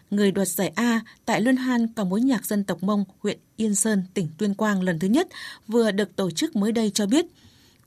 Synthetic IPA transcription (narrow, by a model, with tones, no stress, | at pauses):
ŋɨ˨˩əjɗwaː˨˩t̚zaː˧˩jʔaː˧t̪a̰ː˧˨jlwi˧ənɦaː˧nka˨˧˦mo˨˦jɲaː˨˩k̚zə˧nt̪ə˨˩wk͡p̚mə˧wŋ͡mhwḭ˧˨ənʔi˧ənsəː˧nt̪ï˧˩ŋ̟t̪wi˧ənkwaː˧nlə˨˩nt̪ʰɨ˨˦ɲə˦˥t̚vɨ˨˩əɗɨ˨˩ək̚t̪o˧˩t͡ɕɨ˦˥k̚məː˨˦jɗə˧jt͡ɕɔ˧ɓi˦˥ət̚